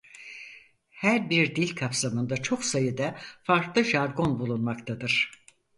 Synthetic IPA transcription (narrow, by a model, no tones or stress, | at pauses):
hæɾbiɾd̪ilʲkʰapsamɯnd̪at͡ʃʰo̞ksajɯd̪afaɾklˠɯʒaɾɡo̞nbulˠunmakt̪ʰad̪ɯɾ̝̥